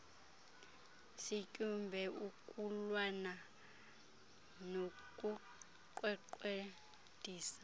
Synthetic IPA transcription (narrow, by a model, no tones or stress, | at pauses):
sicʼumbʱɛukʼulwana | no | kʼu | ǃwɛǃe | d̥ʱiːsḁ